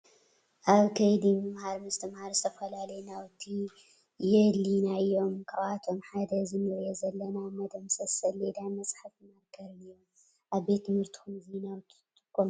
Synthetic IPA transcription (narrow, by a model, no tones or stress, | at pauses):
ʔaβkʰɐjd̪imɨmhaɾmɨst̪ʰɨmhaɾzɨt̪ʰɐfɐlalɐjnawt̪ʰi | jɛlinaɨjːo̞mkʰaβat̪ʰo̞mħad̪ɐzɨnɨɾjezɐlːɐnamɐd̪ɐmsɐsɐled̪anmɐsʼħafnakʰɐɾnɨjom | ʔaβbet̪ːɨmhɨɾt̪ʰɨ̥xumzinaw | kːom